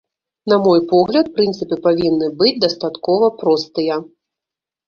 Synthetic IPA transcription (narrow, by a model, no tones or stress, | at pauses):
namɔjpɔɣlʲɐt̪̚pɾɨnt̪sɨpɨpavʲinːɨbɨd͡zʲd̪ɐst̪at̪kɔvɐpɾɔst̪ɨjɐ